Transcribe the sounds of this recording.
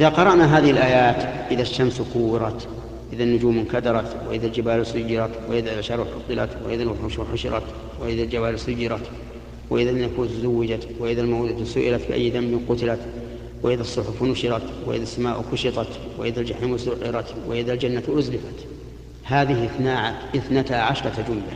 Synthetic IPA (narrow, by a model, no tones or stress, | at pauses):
ʔɪðaqɑɾˤɑʔnaɦaːðɪhɪlʔaːjaːt̪ʔɪðaʃːamskʊwːɪɾˤɑt̪ | ʔɪðanːʊd͡ʒuːmːɪnkad̪ɑɾˤɑt̪wɪ̰ʔɪðald͡ʒabaːlsʊjːɪɾˤɑt̪wɪʔɪðaʃɑɾˤħʊt̪ˤːɨla̰t̪wɪ̰ʔɪðalwʊħʊʃuħʊʃɪ̰ɾˤɑ̰t̪ | wɪʔɪðald͡ʒabaːlsʊjːɪɾɑt̪ | wɪʔɪðanakuːnt̪zawːɪd͡ʒawɪʔɪðalmaːd̪at̪sʊʔɪ̰lat̪bɪ̰ʔa̰jːd̪ambɪnqʊt̪ɪlat̪ | wɪʔɪðasˤːʊħʊfnʊʃɪɾɑt̪wɪ̰ʔɪ̰ðasːamaːʔkʊʃɪt̪ˤɑt̪wɪ̰ʔɪðald͡ʒaħiːmwɪsʊʔɪɾˤɑt̪wɪ̰ʔɪðald͡ʒanːat̪ʔʊzlɪfat̪ | haːðɪhθnaːʕaʔɪθnat̪aʕaʃɾˤɑd͡ʒʊmla